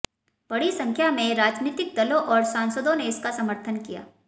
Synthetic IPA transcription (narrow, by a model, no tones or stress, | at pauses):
b̥ɐɽisɐ̃ŋkʰjamẽɾaːd͡ʒniːt̪ɪk̚d̪ɐlõʔɔːɾsãːnsəd̪õneɪskasɐməɾt̪ʰənkija̰ː